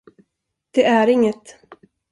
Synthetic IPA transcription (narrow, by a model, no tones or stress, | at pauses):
d̪̥ɛæɾɪŋːət̪